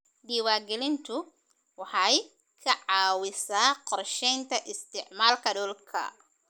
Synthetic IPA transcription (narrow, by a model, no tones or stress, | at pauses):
ɖiːwaːɡɛlɪnt̪ʰʊ | wɑħɑj | kʰɐʕɑːwɪsaːqɔrʃɛjnt̪ʰɐʔɪst̪ʰɪʕmaːlkʰɐɗɔːlkʰɐ̰